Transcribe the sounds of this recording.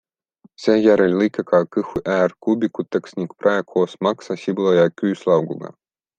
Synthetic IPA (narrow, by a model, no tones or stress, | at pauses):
sʲæjæɾɛlʲlˠɨkʲakɑːkɨxuʔæːrkubʲikut̪ːaksʲnʲikpɾajɛkʰoːsmɑksasʲiblˠojɑːkʲyːslˠɑwɡṵɡɑ̰